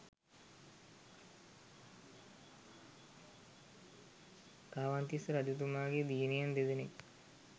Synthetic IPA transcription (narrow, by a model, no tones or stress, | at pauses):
kaːʋant̪isɾad͡ʒut̪̬umaːɡed̪iːnijand̪ed̪ene